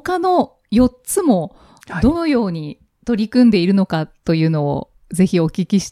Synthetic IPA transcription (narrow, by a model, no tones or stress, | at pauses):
okano̞ | jo̞tt͡sɨmo̞ | d̪o̞no̞jo̞ːɲ̟i | t̪o̞ɾʲikɯ̟̃nd̪e̞iɾɯ̟no̞kat̪ːo̞jɯ̟ːno̞̰ː | d͡ze̞çio̞kʲikʲiɕi̥